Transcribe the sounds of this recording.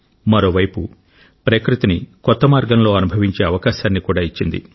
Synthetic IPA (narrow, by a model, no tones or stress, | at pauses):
mɐɾo̞ːʋɐjpu | pɾekɾut̪inikɔt̪ːɐmaːɾɡɐnlo̞ːɐnubʱɐʋiɲt͡ʃe̞ːɐʋɐkaːʃaːnːikuːɽaːit͡ʃːind̪ḭ